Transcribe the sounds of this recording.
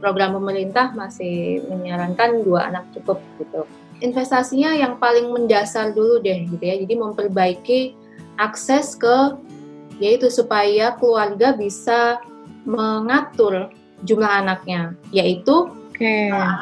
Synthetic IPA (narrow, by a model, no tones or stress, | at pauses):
pɾoɡɾampəməɾint̪ahmasɪhməɲaɾankanduaʔa̰nak̚t͡ʃukəp̚ɡ̥it̪u | infɛst̪asiɲajaŋpalɪŋməndasarduludɛhɡit̪ujad͡ʒadiməmpərbaiki | ʔaksɛskə | jait̪usupajakəluarɡabisa | məŋat̪ʊr | d͡ʒumlaɦanak̚ɲajait̪uke